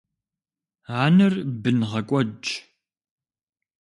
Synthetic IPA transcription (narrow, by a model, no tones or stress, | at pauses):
aːnɨrbɨnʁɐkʷʼɔd͡ʒ